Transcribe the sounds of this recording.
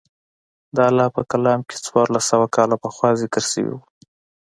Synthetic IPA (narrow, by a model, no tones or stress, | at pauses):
d̪əalːɑpəkalɑmkʰe̥t͡swɑɾlasawakɑlapəxwɑzɪkəɾsə̰wḭwu